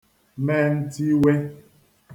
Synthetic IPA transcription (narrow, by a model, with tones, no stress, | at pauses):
mɛ˦˨n̩˦ti˦we˦